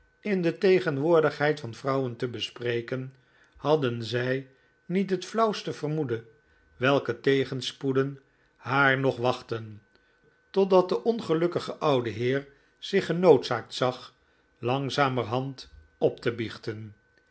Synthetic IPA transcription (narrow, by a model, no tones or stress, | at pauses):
ɪndətejχənʋʊːɹdəχɦɛjtfɑnfrɑwəntəbəsprejkən | hɑdənzɛj | nitɦətflɑwstəvərmudə | ʋɛlˠkətejχənspudən | haːɹnɔχʋɑχtən | tɔdɑt̚dəʔɔnχəlɵkəχəʔʌwdəɦɪːɹ | z̥ɪχənowtsaːk̚tsɑχ | lɑŋzaːmərɦɑnt | ɔp̚təbiχtən